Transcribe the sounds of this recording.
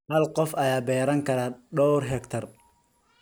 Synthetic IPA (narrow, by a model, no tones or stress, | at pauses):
hɐlqɔfɐjaːbɛːɾɐŋkʰɐɾaːɖɔwrɦɛkt̪ʰɐr